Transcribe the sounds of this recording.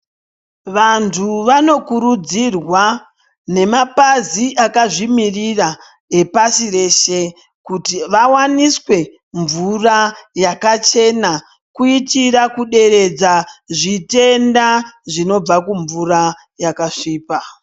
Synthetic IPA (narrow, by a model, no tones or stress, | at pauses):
ʋantʰuʋano̞kuɾud͡zirwa | ne̞mapaziʔakaʐimirira | epasire̞ːʃe̞ | kutiʋawaniswe̞ | ɱvurajakat͡ʃe̞na | kuitiɾakuɗe̞ɾe̞d͡zaʐite̞ndaʐino̞b͡vakuɱvura | jakaʂiːpa